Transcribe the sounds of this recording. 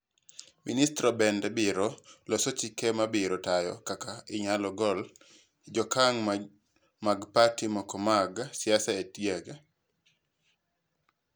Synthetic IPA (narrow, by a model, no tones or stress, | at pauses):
ministɾɔbɛndɛbɪɾɔlɔsɔt͡ʃikɛmabɪɾɔtajɔ̰kakaɪɲalɔɡɔl | d͡ʒɔkaŋ | maɡpatimɔkɔmaɡsɪjasaetjaɡa